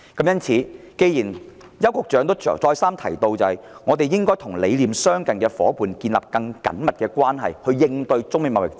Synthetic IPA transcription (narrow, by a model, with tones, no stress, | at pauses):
kɐ˨˥mjɐ˥nt͡sʰiː˨˥ | ke˧jiː˨˩n | jɐ˥wkʊ˨k̚t͡ʃœː˨˥ŋt̪o̰˥˨t͡sɔː˧jsaː˥mt̪ʰɐ˨˩jt̪o˧wt͡sɐ˨hɐ˨jŋɔː˨˧t̪e˨jɪ˥ŋkɔː˥jt̪ʰʊ˨˩ŋle˨˧jliː˨msœː˥ŋkɐ˨nkɛː˧fɔ̰ː˨˥puː˨nkiː˧nlɐ̰˨˩p̚kɐ˧ŋkɐ̰˨˥nmɐ˨t̚kɛː˧kwaː˥nɦɐ̰˨jhɵ˧ɥjɪ˧ŋt̪ɵ˧ɥt͡sʊ˥ŋme˨˧˩mɐ˨w̚jɪ̰˨k̚t͡si˥